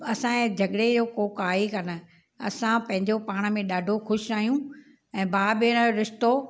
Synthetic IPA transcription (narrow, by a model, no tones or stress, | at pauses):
ɐsãd͡ʑʱɐɠɽed͡ʑoːkoːkaːikɐnə̆ | ɐsãpɐ̃ɦɪ̃ɲd͡ʑopaːɽ̃̆mẽɗaːɖʱoxʊʃɾaːɦijũ | ɛ̃ːbaːbɪɽ̃ɾɪʃt̪o